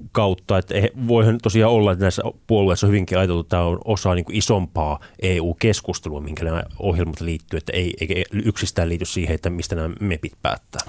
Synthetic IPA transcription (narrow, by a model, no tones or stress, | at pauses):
kɑut̪ːɑet̪ːæeæʋoihɑnt̪osiɑːolːɑet̪ːnæisːæ̰puolueˑisːɑhyʋiŋkiɑjɑt̪elt̪utt̪ːæːonosɑːniːŋkuisompɑːʔeːuːkeskust̪eluɑmihiŋkænæohjelmɑt̪liːt̪ːyːet̪ːæ̰eieikæyksist̪æːliːt̪yssiːheet̪ːæmist̪ænæmæmepit̪pæ̰ːt̪ːæː